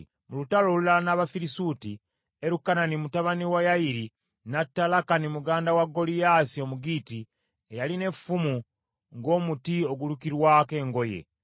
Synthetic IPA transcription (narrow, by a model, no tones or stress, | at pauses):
mulutalo̞lulanaβafiɾisuːti | eɾukːananimutaβaniwajajiɾi | natːalakanimuɡaːndawaɡːo̞lijaːsio̞muɡiːti | ejaline̞fumu | ŋɡo̞ːmutio̞ɡulukiɾwake̞ːŋɡo̞je̞̰